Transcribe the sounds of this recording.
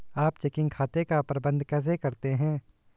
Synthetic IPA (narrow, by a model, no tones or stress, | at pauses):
aːpt͡ʃɛkɪ̃ŋɡkʰaːt̪ekapɾɐbə̃nd̪ʱkɐz̬ekɐɾt̪eɦɛ̃ː